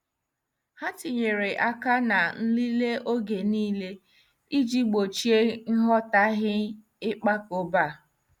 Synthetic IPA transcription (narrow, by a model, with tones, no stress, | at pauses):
ha˦ti˨ɲe˨ɾe˨ʔa˦ka˦na˨n̩˦li˦le˦ʔo˦ɡe˨niː˦le˦ | i˦d͡ʒi˦ɡ͡bo˨t͡ʃi˦e˦ŋ̩˦ɦɔ˦ta˦ɦɪ˦ | ɪ˦k͡pa˦ko˦ba˦˨